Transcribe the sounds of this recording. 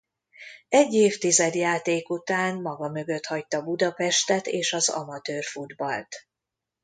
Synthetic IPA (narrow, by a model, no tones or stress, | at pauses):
ɛɟːeːft̪izɛd̪jaːt̪eːkut̪aːnmɒɡɒmø̞ɡø̞t̪hɒc̚t̪ːɒbud̪ɒpɛʃt̪ɛt̪eːʃɒzɒ̰mɒt̪øːrfud̪bɒlt̪